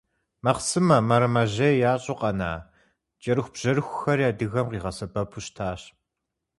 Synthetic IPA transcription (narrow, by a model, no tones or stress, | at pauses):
mɐqsɨmɐmɐɾɐmɐʑɐjaːɕʼoqɐna̰ː | t͡ʃʼɐɾɨxʷb̥ʒ̥ɐɾɨxʷʊxɐrjaːdɨɣɐmqiːʁɐsɐbɐpʰuɕtʰaːɕ